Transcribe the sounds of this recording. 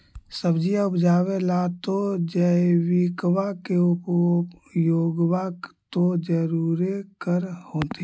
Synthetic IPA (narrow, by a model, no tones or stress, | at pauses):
səbd͡ʒijaʊpd͡ʒaːwelat̪od͡ʒəwikwakeʊp | joːɡwakt̪od͡ʒəɾuɾekəɾhoːt̪i